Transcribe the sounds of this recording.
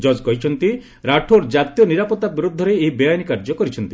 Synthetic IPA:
d͡ʒɔd͡ʒkɔɦit͡ʃʰɔnt̪i | ɾaʈʰoɾd͡ʒat̪jɔniɾapɔt̪abiɾud̪ʱːɔɾeːɦibɔjajnikaɾd͡ʒɔkɔɾit͡ʃʰɔnt̪i̥

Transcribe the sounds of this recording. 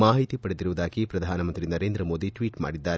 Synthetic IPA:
maːɦit̪ipɐɽed̪iɾuʋud̪aːɡipɾɐd̪ʱaːnɐmɐnt̪ɾinɐɾeːnd̪ɾɐmoːd̪iʈʋiːʈma̰ːɽid̪ːaːɾe

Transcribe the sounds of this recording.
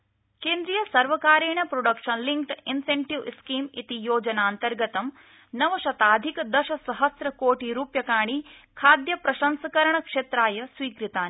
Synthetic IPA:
keːnd̪ɾijɐsɐɾʋɐkaːɾeːɳɐpɾoɖɐkʂɐnliŋkʈinseɳʈiʋskiːmḭt̪ijoːd͡ʒɐnaːnt̪ɐɾɡɐt̪ɐm | nɐʋɐʃɐt̪aːd̪ʱikɐd̪ɐʃɐsɐɦɐsɾɐkoːʈiɾuːpjɐkaːɳ̃i | kʰaːd̪jɐpɾɐʃɐnsɐkɐɾɐɳɐkʂeːt̪ɾaːjɐsʋiːkɾit̪aːn

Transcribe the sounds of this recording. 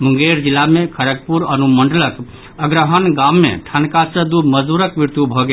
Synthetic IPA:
mũŋɡeɾd͡ʒilːamekʰəɾəɡ̚puɾənuməɳɖələk | əɡɾəɦənɡamːḛʈʰənkasə̃d̪uməd͡ʒd̪uɾəkmiɾt̪ubʱɔɡe

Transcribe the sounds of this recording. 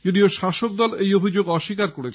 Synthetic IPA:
d͡ʑod̪ioʃaʃok̚d̪ɔlejobʱid͡ʑoɡɔʃːikaɾkoɾet͡ɕʰ

